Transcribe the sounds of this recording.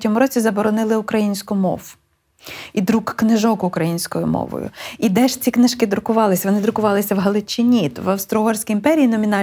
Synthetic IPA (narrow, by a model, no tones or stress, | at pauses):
tʲɔmʊɾɔt͡sʲizɐbɔɾɔnɪlˠɪʊkɾɐjinʲsʲkʊmɔ̰ʋ | id̪ɾukːnɪʒɔkʊkɾɐjinʲsʲkɔjʊ̰mɔ̰ʋɔ̰jʊ̰id̪ɛʃt͡sʲiknɪʃkɪd̪ɾʊkʊʋɑlˠɪsʲɐʋɔnɪd̪ɾʊkʊʋɑlˠɪsʲɐwɦɐlˠɪt͡ʃɪnʲit̪ʋɐwst̪ɾɔɦɔrʲsʲkʲijimpɛɾʲiːnɔmʲinɑ